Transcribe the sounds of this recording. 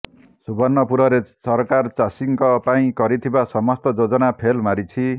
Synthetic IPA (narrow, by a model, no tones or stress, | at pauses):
subʌnːʌpuɾʌɾesʌrkart͡sasiŋkʌpaĩkʌɾit̪ʰibasʌmʌst̪ʌd͡zod͡zʌnapʰelmaɾit͡sʰi